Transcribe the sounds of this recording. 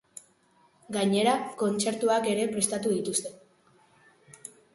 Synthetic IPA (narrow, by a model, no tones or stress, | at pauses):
ɡaɲe̞ɾako̞nt͡se̞ɾt̪uake̞ɾe̞pɾe̞st̪at̪uðit̪ust̪e̞